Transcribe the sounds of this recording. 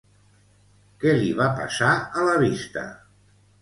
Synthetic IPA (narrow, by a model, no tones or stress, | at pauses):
kɛliβapa̰saələβist̪ə̰